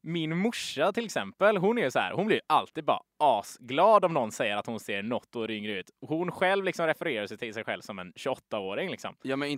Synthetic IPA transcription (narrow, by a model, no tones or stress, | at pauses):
mɪnmʊʂːat̪ʰɪlɛksɛmpəlɦʊnæɾjʉsɔhæ̰ːɾhʊnblɪɾjɵʔalt̪ʰiːd̪̚bɑ̰ːɾa̰ʔɑːsɡlɑːd̪ɔmnɔnsɛjːəɾat̪hʊnseːɾɳɔt̪ːɔɾʏŋɾəʉ̟ːt̪ɔhʊnɧɛlvlɪksɔmɾɛfəɾeːɾaʂɛjt̪ʰɪlsɛjɧɛ̰lvsɔmɛnɕɵɔt̪ːaoːɾɪŋlɪksɔ̰mjɑːmɛɪ